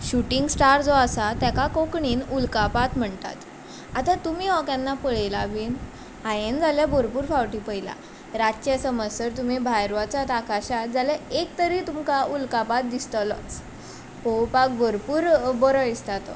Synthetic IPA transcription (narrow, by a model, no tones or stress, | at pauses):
ɕuʈiŋɡsʈaɾd͡zoasat̪jakakokɳiːnulkapat̪m̤əɳt̪a̰t̪ | at̪at̪umiɦɔkanːapəɭejlaʋiːn | ɦajend͡zaljabəɾpuːɾfawʈiːpəjla̰ | ɾat͡ɕasəməsəɾt̪um̤ibʱajɾʋat͡sat̪akaɕat̪d͡zaljaek̚t̪əɾit̪umkaʔulkapat̪̚d̪ist̪əlɔ̰t͡s | hopak̚bɔɾpuːɾbɔɾɔist̪at̪ɔ̰